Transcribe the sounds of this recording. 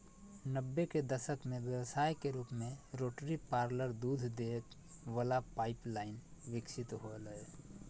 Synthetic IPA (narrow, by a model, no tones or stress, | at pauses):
nəbːeked̪əʃəkmẽʋəsaːjkeɾuːpmẽɾoːʈɾipaːɾləɾd̪uːd̪ʱd̪eːk̪ | ʋəlapaːɪplaːɪnʋɪksɪt̪ɦoləe